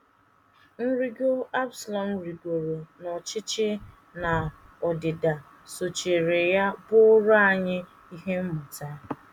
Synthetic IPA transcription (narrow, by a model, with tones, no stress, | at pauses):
n̩˦ɾi˦ɡo˦a˦bsa˨lɔ˨n̩˦ɾi˨ɡo˨ɾo˨nɔ˨t͡ʃɪ˦t͡ʃɪ˦ | na˨ɔ˨dɪ˨da˨ | so˨t͡ʃe˨ɾe˨ja˦bʊ˦ɾa˦a˨ɲɪ˦ | i˦ɦe˦m̩˦mʊ˨ta˦